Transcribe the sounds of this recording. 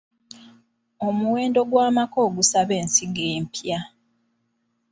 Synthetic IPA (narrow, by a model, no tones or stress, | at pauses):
o̞muwe̞ːndo̞ɡwaːmako̞ːɡusaβe̞ːnsiɡeːmpja